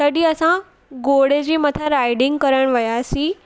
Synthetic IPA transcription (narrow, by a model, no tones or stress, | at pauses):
t̪əɽiəsã | ɡoɽed͡ʑimət̪ʰaɾajɖiŋɡkəɾəɽ̃ʋəjasi